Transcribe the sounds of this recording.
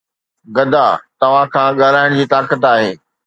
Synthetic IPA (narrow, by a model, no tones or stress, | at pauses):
ɡɐd̪ʱaːt̪ɐʋ̤ãkʰãɠalaːɪɽ̃d͡ʑiːt̪aːkət̪aːɦeː